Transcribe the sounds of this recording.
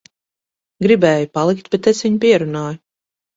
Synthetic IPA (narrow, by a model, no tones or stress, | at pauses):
ɡɾibɛːjupalˠikt̪b̥et̪esviɲpiɛɾunaːju